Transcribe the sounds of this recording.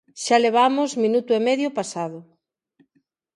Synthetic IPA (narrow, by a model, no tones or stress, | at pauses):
ʃaleβ̞amʊzmĩnut̪ʊemɛðjʊpasaðʊ